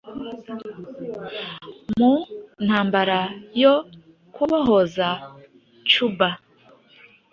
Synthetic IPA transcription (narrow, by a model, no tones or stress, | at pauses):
mun̥haːmbaɾajo | kuβaɦoza | t͡ʃuba